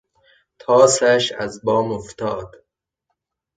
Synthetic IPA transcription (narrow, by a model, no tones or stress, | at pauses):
t̪ʰɒːsæʃæ̰zbɒːmoft̪ɒːd̪̥